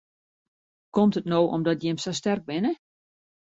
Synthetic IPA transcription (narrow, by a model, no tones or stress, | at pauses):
kɔmtətnoːʔɔ̰mdɔtjɪmsastɛrk̚bɪnə